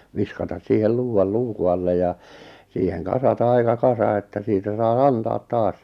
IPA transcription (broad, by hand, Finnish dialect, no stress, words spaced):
ʋiskɑtɑs siːhel luːw̆ɑl luːku ɑlːe jɑ siːheŋ kɑsɑtɑ ɑikɑ kɑsɑ etːæ siːtæ sɑi ɑntɑːt tɑːs